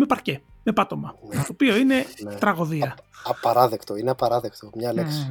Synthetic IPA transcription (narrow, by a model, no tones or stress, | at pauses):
me̞pɐɾce̞me̞pɐt̪o̞mɐnt̪oːpio̞ine̞t̪ɾɐɣo̞ðiɐɐpɐɾɐðekt̪oineɐpɐɾɐðekt̪omɲɐleksi̥